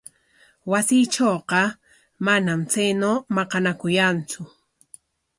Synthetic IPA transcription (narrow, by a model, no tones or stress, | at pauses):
wasiːʈ͡ʂoːqɑ | manamt͡sajnoːmɑqɑnakʊjant͡sʊ